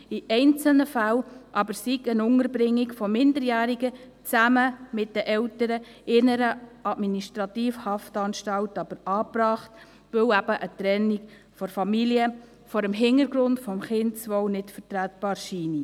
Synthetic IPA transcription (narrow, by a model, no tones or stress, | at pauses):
iʔɛɪnt͡səl̩nəfælʔɑbəɾsiɡənʊŋəɾbɾɪŋːiɡfɔmɪndəɾjæːɾiɡə | t͡sæməmɪt̚d̥əʔɛwtəɾə | ɪnəɾəʔɑdminiʃtɾɑtiːfhɑftɑnʃtɑwtɑb̥əɾɑːpɾɑːχt | ʋɵwæb̥əʔət̪ɾɛnːi̥ | fɔɾfɑmiliə | fɔɾəmɦɪnəɾɡɾʊndfɔmχɪntt͡sʋɔwnɪtfəɾtɾæt̚b̥ɑːɾʃiːni